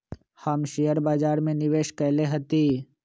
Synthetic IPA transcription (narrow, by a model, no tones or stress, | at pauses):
həmʃijəɾbaːd͡ʒaːɾmẽnɪʋeːʃkɛɦleɦɐt̪iː